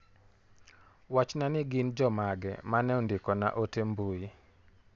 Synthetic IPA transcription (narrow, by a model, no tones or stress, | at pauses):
wat͡ʃnanɪɡɪnd͡ʒɔmaɡɛ̰manɛɔndɪkɔna̰ʔotembui